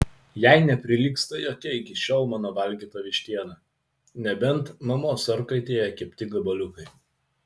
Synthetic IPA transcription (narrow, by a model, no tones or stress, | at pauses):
jæɪnʲɛpʲɾʲɪlʲiːkst̪ɐjoːkʲɛɪkʲɪʃʲɛːlˠmɑːnoʋɐlʲɡʲiːt̪oːʋʲɪʃʲt̪ʲiɛnɐ | nʲɛbʲɛnˑt̪nɐmoːsɐɾkɐɪt̪ʲeːjɛkʲɛpʲt̪ʲɪɡɐbɐlʲʊkɐɪ